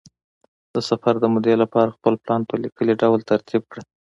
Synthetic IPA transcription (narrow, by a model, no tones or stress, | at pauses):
d̪̥əsafaɾd̪əmʊd̪elapɑɾaxpəlplɑnpəlikəliɖawlt̪aɾt̪ʰib̚kɽə